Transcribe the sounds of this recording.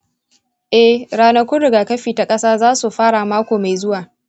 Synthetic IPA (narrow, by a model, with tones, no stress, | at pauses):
ʔɛ˦hɽaː˦nɐ˦kʷʊ˦ɽɪ˨ɡaː˨kɐ˦ɸiː˨ta˨kʼɐ˦saː˦zaː˦su˨ɸaː˦ɽa˨maː˦kʷoː˨ma˨jzʊ˦waː˨